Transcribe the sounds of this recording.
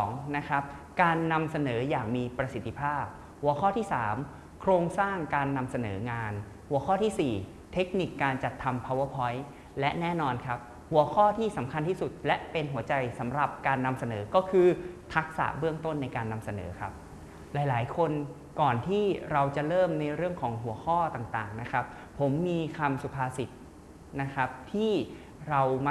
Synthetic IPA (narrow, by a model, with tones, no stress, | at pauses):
ŋna˦˥kʰa˦˥p̚kaː˧nːa˧msa˧nɤː˩˦jaː˨˩k̚miː˧pɾa˧si˨˩t̪ːi˧pʰaː˥˩p̚ | hu˨˩˦əkʰɔː˥˩t̪ʰiː˥˩saː˩˦m | kʰɾoː˧ŋsaː˥˩ŋkaː˧nːa˧msa˧nɤː˩˦ŋaː˧n | hu˩˦ɐkʰɔː˥˩t̪ʰiː˥˩siː˨˩ | t̪ʰe˦˥k̚ni˨˩kːaː˧nt͡ɕa˨˩t̪ʰːa˧mpʰaː˧wa˦˥pʰɔ˦˥j | lɛ˦˥ʔnɛː˥˩nɔː˧nkʰa˦˥p̚ | hu˩˦ɐkʰɔː˥˩t̪ʰiː˥˩sa˩˦mkʰa˧nt̪ʰiː˥˩su˨˩t̪̚lɛ˦˥ʔpe˧nɦu˩˦ɐt͡ɕa˧jsa˩˦mɾa˨˩p̚kaː˧nːa˧msa˧nɤː˩˦kɔː˥˩kʰɯː˧t̪ʰa˦˥k̚sa̰˨˩ʔbɯ˥˩əŋt̪o˥˩nːa˧jkaː˧nːa˧msa˧nɤ̰ː˩˦kʰa˦˥p̚ | laː˩˦jlaː˩˦jkʰo˧n | kɔː˨˩nt̪ʰiː˥˩ɾa˧wt͡ɕa˨˩ɾɤː˥˩mna˧jɾɯ˥˩əŋkʰɔː˩˦ŋɦu˩˦ɐkʰɔː˥˩t̪aː˨˩ŋt̪aː˨˩ŋna˦˥kʰɾa˦˥p̚ʰːo˩˦mːiː˧kʰa˧msu˨˩pʰaː˧si˨˩t̪̚ | na˦˥kʰa˦˥p̚t̪ʰiː˥˩ | ɾa˧wm˦